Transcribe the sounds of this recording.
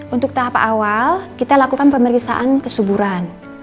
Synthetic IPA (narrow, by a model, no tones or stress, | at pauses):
unt̪ʊk̚t̪aɦapaʔawalkit̪alakukanpəməɾiksa̰ʔankəsubuɾan